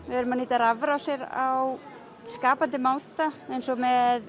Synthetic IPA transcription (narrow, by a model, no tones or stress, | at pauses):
vɪɛɾʏmaniːt̪aɾavɾawsjɛɾaw | skaːpant̪ɪmaːwt̪aejnsɔmɛð